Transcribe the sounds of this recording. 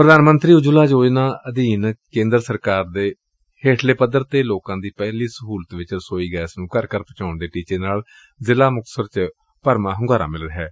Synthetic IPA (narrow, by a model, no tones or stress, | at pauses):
pɾəd̪aːnmənt̪ɾiːʊd͡ʒʊlaːd͡ʒoːd͡ʒnãːəd̪iːnkẽːnd̪əɾsəɾkaːɾd̪eː | heːʈʰleːpəd̪əɾt̪eːloːkãːd̪iːpɛːliːsəɦuːlət̪ʋɪt͡ʃəɾsoːiːɡɛːsnũːkəɾkəɾpət͡ʃaːʊɳd̪eːʈiːt͡ʃeːnaːl | zɪlaːmʊk̪̚səɾt͡ʃ | pəɾmãːɦʊŋɡaːɾa̰ːmɪlɾɦɛː